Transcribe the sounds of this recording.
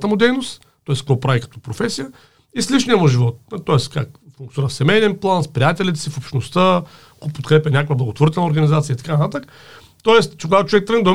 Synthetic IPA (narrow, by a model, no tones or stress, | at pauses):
t̪əmʊd̪ɛjnost̪ | t̪ɔɛskɔpɾavikɐ̥t̪ɔpɾofɛsijə | isliʃniɛmʊʒivɔt̪̚t̪ːɔɛskakfũŋkt̪ʲiɾəfsɛmɛjnɛnplˠanspɾʲijat̪ʲɛlʲit̪sifopʃt̪nost̪ə | kɔpot̪̚kɾɛpʲɐnʲakokvəblˠɐɡot̪voɾit̪ɛlnəoɾɡɐnizat̪sijəit̪ɐ̥kanɐt̪at̪ək | t̪ɔɛst͡ʃɛkoɡat̪oʊt͡ʃovɛk̚t̪ɾəɡnd̪ɐ